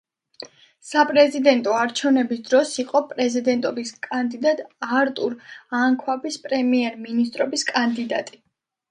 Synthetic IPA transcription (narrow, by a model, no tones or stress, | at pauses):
sapʼɾɛzid̪ɛnt̪ʼɔaɾt͡ʃʰɛvnɛbisd̪ɾɔsiqʼɔpʼɾɛzid̪ɛnt̪ʼɔbiskʼand̪id̪at̪ʼaɾt̪ʼuɾaŋkʰwabispʼɾɛmiɛɾminist̪ʼɾɔbiskʼand̪id̪a̰t̪ʼi